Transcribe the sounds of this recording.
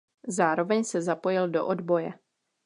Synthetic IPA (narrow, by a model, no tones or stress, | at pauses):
zaːɾo̞vɛɲsɛzapo̞jɪldo̞̰ʔodbo̞jɛ